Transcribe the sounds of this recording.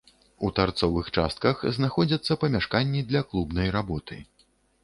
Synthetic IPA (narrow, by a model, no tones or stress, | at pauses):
ut̪art̪sɔvɨxt͡ʂa̰st̪̚kɐxznaxɔd͡zʲɐt̪sːɐpɐmʲaʂkanʲːid̪lʲɐklˠubnɐjɾabɔt̪ɨ